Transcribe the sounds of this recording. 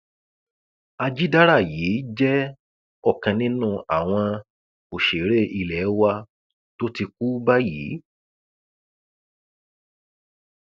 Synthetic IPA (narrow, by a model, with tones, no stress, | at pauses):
a˧d͡ʒi˦da˦ɾa˦˨jiː˨˦d͡ʒɛ˦ | ɔ˦˨kã˧nĩ˦nũ˦˨a˨w̃ɔ̃˧ | o˨ʃe˨ɾe˦ʔi˧lɛ˨˦wa˧ | to˦ti˧k̚u˦ba˦jḭː˨˦